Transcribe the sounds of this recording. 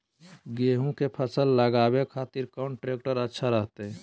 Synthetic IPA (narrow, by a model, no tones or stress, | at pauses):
ɡeːɦũkepʰəsəlːəɡaːbekʰaːt̪iɾkaʊɳʈɾeːk̚ʈəɾətːʃʰaɾəɦt̪eɦɛ̃